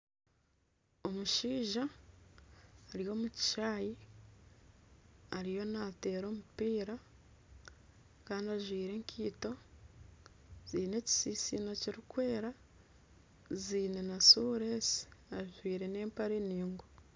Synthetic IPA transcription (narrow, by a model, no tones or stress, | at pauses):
o̞muʃiːʒa | ɾijo̞ːmuci̥ʃaːji | ɾijo̞nate̞ːɾo̞ːmupiːɾa | kaːndiaʒwiːɾe̞ŋkʰiːto̞ | z̥iːne̞ːci̥siːsinociɾikwe̞ːɾa | ziːne̞nasuɾesi̥aʒwiːɾe̞ne̞ːmpaɾeniːŋɡo